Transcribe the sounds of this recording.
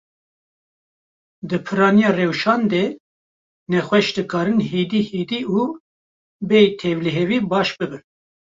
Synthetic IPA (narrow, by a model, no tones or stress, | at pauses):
d̪ɨpʰɨɾɑːnijɑːrewʃɑːnd̪eː | nɛxʷwɛʃd̪ɨkʰɑːɾɨnɦiːd̪iːhiːd̪iːuː | bejt̪ʰevliɦɛviːbɑːʃbɨbɨn